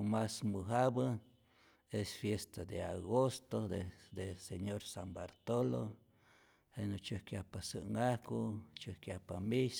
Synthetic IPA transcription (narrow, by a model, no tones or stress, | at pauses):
masmɨɦabə | esfjest̪ad̪eaɣost̪oded̪eseɲoɾsambaɾt̪olo̰ | henot͡ʃɨhkjahpasɨ̰ŋahkut͡ʃɨhkjahpamis